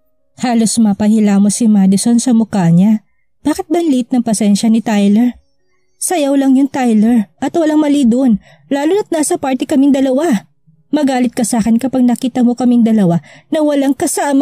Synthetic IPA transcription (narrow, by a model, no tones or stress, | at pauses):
haːlo̞smɐpɐhilaːmo̞sɪmad̪ɪso̞nsɐmʊkaːɲɐ | b̥aːkɪt̪̚bɐnliɪt̪̚nɐŋpɐsɛnʃɐnɪt̪ajlɛɹ | sɐjɐwlɐŋjont̪ajlɛɹʔɐt̪wɐlaŋmɐlid̪oʔon | laːlonɐt̪̚naːsɐpaɹt̪ɪkɐmɪŋd̪ɐlɐwa | mɐɡaːlɪt̪̚kɐsaːkɛnkɐpɐɡ̚nɐkiːt̪ɐmo̞kɐmɪŋd̪ɐlɐwanɐwɐlaŋkɐsaʔm